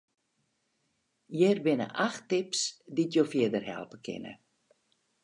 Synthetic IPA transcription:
jɪrbɪnə̰ʔaxtɪpsditjofɪədərɦɛ̰lˠpəkʰɪ̰nə̰

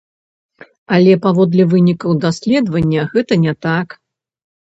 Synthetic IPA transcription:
ɐlʲɛpavɔd̪lʲɛvɨnʲikɐwd̪asʲlʲɛd̪vɐnʲːɐɣɛt̪ɐnʲɛt̪ak

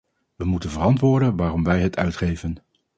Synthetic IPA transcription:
ʋəmutənvərɑntʋʊːɹdənʋaːrɔmʋɛjɦətʰœɥtχejvən

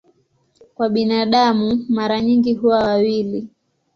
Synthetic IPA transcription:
kwaɓinaɗamumaɾaɲiŋɡiɦuwawawili

